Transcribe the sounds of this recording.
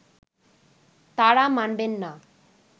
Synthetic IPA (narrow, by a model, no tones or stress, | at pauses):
t̪aɽamanbenːa